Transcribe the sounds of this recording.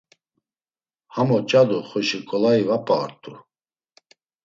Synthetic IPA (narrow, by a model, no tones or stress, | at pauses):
hamɔt͡ʃʼad̪uχɔʃikʼɔlaivapʼa̰ːɾt̪ʼu